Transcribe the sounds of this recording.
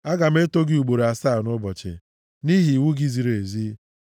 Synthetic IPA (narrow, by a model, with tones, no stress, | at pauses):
a˦ɡa˨m̩˦e˦to˦ɡɪ˦u˨ɡ͡bo˨ɾa˨saː˦˨nʊ˦bɔ˨t͡ʃɪ̰˨ | ni˦ɦi˨wu˦ɡi˦zi˨ɾe˨zi˦